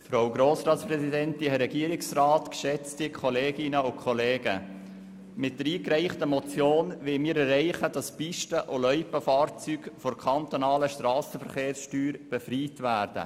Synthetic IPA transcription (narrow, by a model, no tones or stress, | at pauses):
fɾaʊɡɾoːsɾɑːtsprɛsidɛntɪhɛɾɛɡiəɾɪksrɑːtkʃɛt͡stɪkʰɔleːɡɪnəʊkʰχɔleːɡə̰ | mɪt̚d̥əɾiːkɾɛɪχtəmɔt͡sjoːnʋɪlmiːɾɛrɛɪχəd̥ɑspiʃtəʔolœʏpəfɑːɾt͡sykfɔɾkʰɑnt̪onɑːləʃtɾɑːsəfəɾχeːɾsʃtyːɾb̥ɛfriːtvæːrd̥ə̰